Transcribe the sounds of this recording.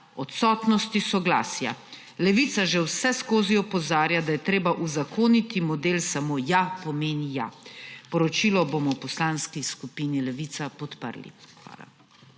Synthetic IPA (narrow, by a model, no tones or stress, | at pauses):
ɔt̪sɔːt̪nɔst̪isɔɡla̰ːsja̰ | lɛʋiːt̪saʒɛwsɛskoːziɔpɔzaːɾjad̪ajɛt̪ɾeːbaʔuzakoːnit̪imɔd̪eːlsamojapɔmeːnja̰pɔɾɔt͡ʃiːlɔbomɔwpɔslaːnskiskupiːnilɛʋit̪sapɔt̪pə̰ɾlḭxʋa̰ːla̰